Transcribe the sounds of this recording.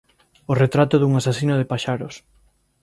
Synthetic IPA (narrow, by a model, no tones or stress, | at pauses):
oret̪ɾat̪oðuŋasasinoðepaʃaɾos